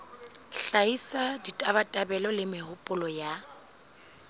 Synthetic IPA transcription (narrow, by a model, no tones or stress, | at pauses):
ɬaisaditʼabatʼabɛlɔlɪmɪhʊpʼʊlɔja